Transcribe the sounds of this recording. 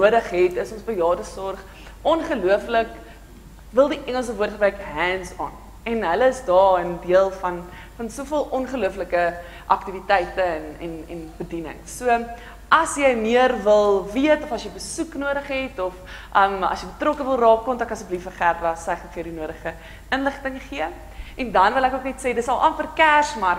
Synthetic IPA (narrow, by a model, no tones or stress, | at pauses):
nuəɾəχɦɛtəsɔnsbəjɑːdəsɔrχ | ʔɔnχəluəflək | vəlˠdiʔɛŋəlˠs̬əvuətχəbrɛjkɦɛnsɑ̰ːn | ɛnɦələəsdɑːəndiəlˠfɐn | fɐnsuəfiəlˠʔɔnχəluəfləkə | ʔɐktivitɛjtəɛnɛ̰nɛ̰nbədinə̰ŋsuə | ʔɐsjəjmiərvəlˠviətɔfɐsjəjbəsuknuəɾəχɦɛtɔf | ʔəmɐ̰sjəjbətrɔkəvəlˠrɑːkːɔmtɑkɐsəblifəχærdɐsɛχfiəɾdinuəɾəχə | ənləχtəŋχiə | ʔɛndɐnvəlækuəknɛtseːdətsɐlˠʔɑnfərkærsmɐr